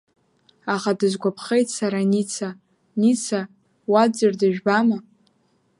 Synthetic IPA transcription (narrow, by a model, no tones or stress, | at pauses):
aχadɨzɡʷapʰχejtʰʼsaɾanit͡sʰa | nit͡sʰa | wad͡zɨrdɨʒᶣbama